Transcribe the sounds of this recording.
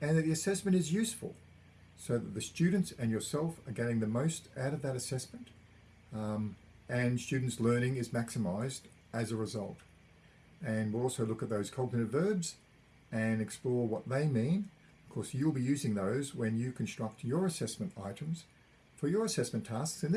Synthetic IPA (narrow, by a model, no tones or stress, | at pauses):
ɨ̃nðɨt̪̚ðiɨsɛsmɨ̃ñtɨzjʉsfə̰lˠ | soʊðɨt̪̚ðɨstʉdⁿn̩tsɨ̃njə˞sɛlˠfə˞ɡɛɾɪ̃ŋðɨmoʊstaʊɾʌvðɨɾɨsɛsmɨ̃nt | ɨ̃nstʉdⁿn̩tslɜ̃˞nɪ̃ŋɨzmæksɨmaɪzd | ɨzɨɹɨzʌ̰lˠt | ɨ̃nwilˠɔlˠsoʊlʊkɨt̪̚ðoʊz̥kʰʌlˠtnɨ̃nɨtvɜ˞bz | ɨ̃nɨksplɔɹwʌt̪̚ðeɪmĩn | ʌv̥kʰɔɹsjʉl̩ˠbijʉzɪ̃ŋðoʊzwɨ̃njɨkʰɨ̃n̩stɹ̥ʌk̚t͡ʃə˞ɨsɛsmɨ̃nta̰ɪɾɨ̃mz̥ | fə˞jə˞ɨsɛsmɨ̃ntʰæsksɨ̃nð